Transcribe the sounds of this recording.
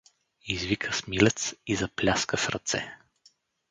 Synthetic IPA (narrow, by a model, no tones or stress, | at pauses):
izvikʰəsmilɛt̪sizɐplʲaskəsɾɐt̪sɛ̰